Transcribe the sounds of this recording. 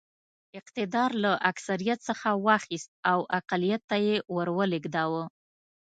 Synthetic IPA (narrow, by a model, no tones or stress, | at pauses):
ɪqt̪ɪd̪ɑɾlaʔaksaɾijat̪səxawɑxist̪̚awʔaqalijat̪ːajewəɾwəlɪɡd̪ɑwə